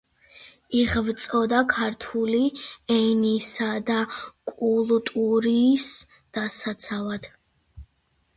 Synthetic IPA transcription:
iʁvt̪sʼɔd̪akʰaɾt̪ʰuliɛnisad̪akʼulˠt̪ʼuɾiːs | d̪̥asat̪sʰavad̪̥

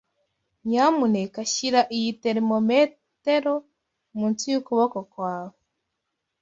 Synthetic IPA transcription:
ɲamunekaʃiɾaʔijiteɾimome | teɾo | muntijukuβokokwaːβo

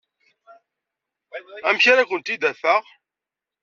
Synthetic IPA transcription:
æmçaɾakʷənt̪id̪æfəʁ

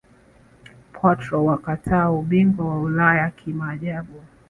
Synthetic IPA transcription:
pʰɔtɾɔwakatʰaːuɓiŋɡwawaulajakʰimaːʄaɓu

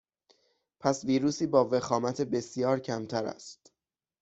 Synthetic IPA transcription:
pʰæsviːɾuːsiːbɒːve̞xɒːmæt̪ʰebe̞sjɒːɾcʰæmt̪ʰæɾæ̰st̪

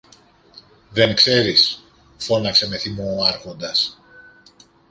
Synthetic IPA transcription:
ðe̞ŋkse̞ɾis | fo̞nɐkse̞me̞θimoɐɾxo̞nd̪ɐs

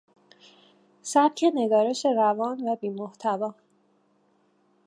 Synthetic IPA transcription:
sæb̚cʰe̞ne̞ɡ̪ɒːɾe̞ʃe̞ɾævɒːnvæbiːmoht̪ʰævɒː

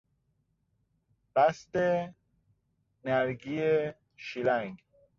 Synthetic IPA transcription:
b̥æst̪e | næɾɡie | ʃilæŋɡ

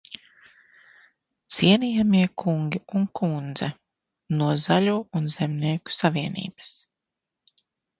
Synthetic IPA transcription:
t̪siɛniːjamiɛkʰuŋɡʲiuŋkʰund̪zɛ | nuɔzalʲuːunzɛmniɛku̥saviɛnḭːbɐ̥s

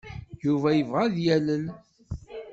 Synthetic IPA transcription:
juvæjəvʁæðjæləl

